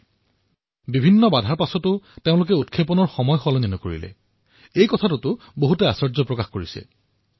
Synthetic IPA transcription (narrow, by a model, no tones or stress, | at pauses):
bibʱinːɔbadʱaɹpasɔtʊteʊ̃lʊkɛut̚kʰepɔnɔɹxɔmɔjxɔlɔninɔkoɹḭlɛ̰ | ejkɔtʰatʊtʊ | boɦutɛasɔɹzɔpɹɔkaxkoɹisɛ̰